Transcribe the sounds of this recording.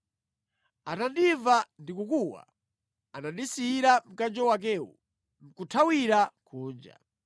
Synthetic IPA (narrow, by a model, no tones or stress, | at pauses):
atandivandikukuwa̰ | anadisiiɾam̩kand͡ʒɔwak̬ɛːwṵ | m̩kutʰawiɾakʰuːnd͡ʒa̰